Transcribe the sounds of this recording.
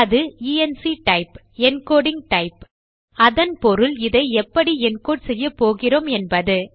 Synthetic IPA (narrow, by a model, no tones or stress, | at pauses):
ɐðɯiːɛnsiʈɐɪp | ɛnkoːɽɪŋʈɐɪp | ɐðɐnpɔɾɯlɪðɐɪɛpːɐɽiɛnkoːʈsɛjːɐpoːɣɪroːmɛnbɐðɯ